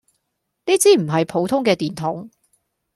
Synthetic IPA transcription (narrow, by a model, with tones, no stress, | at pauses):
niː˥t͡siː˥m̩˨˩ɦɐ˨jpʰo˨˧wt̪ʰʊ˥ŋkɛː˧t̪iː˨˩nt̪ʰʊ˨˥ŋ